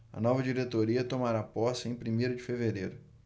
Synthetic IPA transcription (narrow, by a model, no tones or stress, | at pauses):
ɐ̰nɔvɐd͡ʒiɾet̪oɾiɐt̪omaɾapɔsẽj̃pɾimejɾʊd͡ʒɪfeveɾejɾʊ